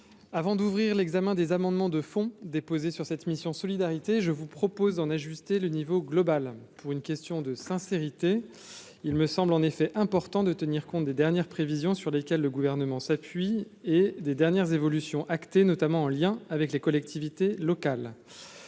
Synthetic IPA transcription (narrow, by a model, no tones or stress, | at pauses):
avɑ̃d̪uvʁiʁlɛɡzamɛ̃d̪ezamɑ̃d̪mɑ̃d̪əfɔ̃d̪epozesyʁsɛt̪misjɔ̃sɔlid̪aʁit̪eʒəvupχɔpozd̪ɑ̃naʒyst̪elənivoɡlɔbalpuʁynkʲɛst̪jɔ̃d̪əsɛ̃seʁit̪e | ilməsɑ̃blɑ̃nefɛʔɛ̃pɔʁt̪ɑ̃d̪ət̪əniʁkɔ̃t̪̚d̪ed̪ɛʁnjɛʁpχevizjɔ̃syʁlekʲɛlːəɡuvɛʁnəmɑ̃sapɥied̪ed̪ɛʁnjɛʁzevɔlysjɔ̃ʔakt̪enɔt̪amɑ̃ɑ̃ljɛ̃avɛklekɔlɛk̚t̪ʰivit̪elɔkal